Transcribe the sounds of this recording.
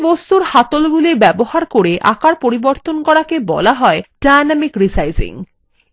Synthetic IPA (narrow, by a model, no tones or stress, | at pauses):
bost̪uɾhat̪olɡulibɛbohaɾkoɾeʔa̰kaɾpoɾiboɾt̪onkɔɾakebɔ̰laɦɔeɖajnamikɾisajzḭŋ